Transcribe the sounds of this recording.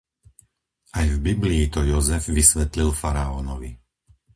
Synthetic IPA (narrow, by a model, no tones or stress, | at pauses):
ʔajvbibliːt̪ɔjɔzɛvʋisʋɛt̪lilfaɾaɔːnɔʋḭ